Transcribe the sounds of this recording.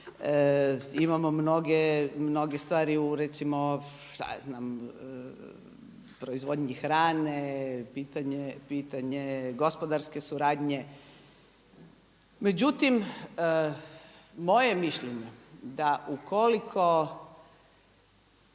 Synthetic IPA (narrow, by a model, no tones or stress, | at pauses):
əimamomno̞ɡemno̞ɡest̪ʋaːɾiuɾet̪simo | ʃt̪a̰znaːm | pɾoizʋo̞d̪ɲixɾaːnepiːt̪aɲepiːt̪aɲeɡo̞spod̪aɾske̞suɾaːd̪ɲe | me̞d͡ʑut̪im | mojemiʃʎeɲed̪aʔukʰolikʰo